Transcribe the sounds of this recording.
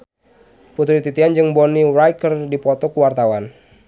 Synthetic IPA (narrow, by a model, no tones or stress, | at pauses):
put̪̬ɾit̪it̪iand͡ʒɨŋbɔnirajkərdipɔt̪ɔkuwart̪awan